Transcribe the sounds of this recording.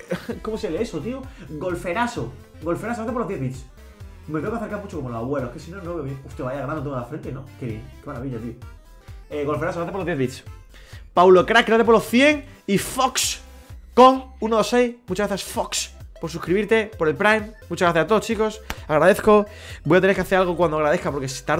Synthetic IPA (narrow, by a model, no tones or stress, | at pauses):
ko̞moseleesot̪ioɡo̞lfe̞ɾaso | ɡo̞lfe̞ɾasoaθepoloðjeðβit̪s | meteokaθe̞ɾkaɾmut͡ʃokomolosaβwe̞lohkesinoenoβeoβjeŋust̪jaβaiaɣɾand̪ont̪eŋafɾent̪enokeβjḛŋkemaɾaβiʎat̪io | eɣo̞lfe̞ɾasoɣɾaθepolo̞ðjeðβit̪s | pawlo̞kɾak̚ɡɾaðt̪̬epoɾlohθje̞ŋifoksko̞ŋunoðose̞jmut͡ʃaɣɾaθjasfokspoɾs̬ukɾiβiɾt̪e̞po̞ɾe̞lpɾajmːut͡ʃaɣɾaθjasat̪o̞ðost͡ʃiko̞saɣɾaðeθko̞ | bojat̪eneɾkeaθe̞ɾalɣ̞o̞kwand̪oaɣɾaðe̞hkapoɾkest̪a